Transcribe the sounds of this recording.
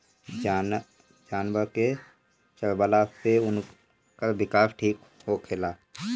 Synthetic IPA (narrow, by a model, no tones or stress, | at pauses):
d͡ʒaːn | d͡ʒaːnbəɾke | t͡ʃəɾbəlaseʊn | kabɪkaːpʰʈʰiːk | ɦokʰelaː